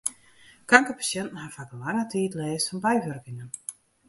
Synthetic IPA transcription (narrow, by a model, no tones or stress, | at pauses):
kaŋkəpḁsjɛntn̩ɦafakəlaŋətʰiːtlɛːsɔnbɛjʋørkɪŋən